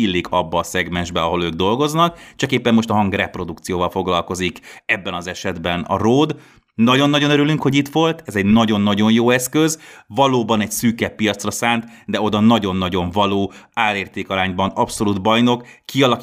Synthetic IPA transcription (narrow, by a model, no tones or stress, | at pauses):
ilːikʰɒbːɒːsɛɡmɛnʒbɛɒɦo̞løːɡ̚d̪o̞lɡo̞znɒkt͡ʃɒkeːpːɛmːo̞ʃt̪ɒɦɒŋɡrɛpro̞d̪ukt̪sijoːvɒlfo̞ɡlɒlkozikɛbːɛnɒzɛʃɛd̪bɛnɒ̰roːd̪ | nɒɟo̞nːɒɟo̞nøɾylyŋkho̞ɟit̪ʋo̞lt̪ɛzɛɟnɒɟo̞nːɒɟo̞ɲjoːɛskø̞zvɒloːbɒnɛcsyːkɛpːijɒt̪srɒsaːnt̪d̪ɛo̞d̪ɒnɒɟo̞nːɒɟo̞ɱvɒloːaːleːrt̪eːkɒɾaːɲbɒnɒpso̞lud̪bɒjno̞kːiɒlɒk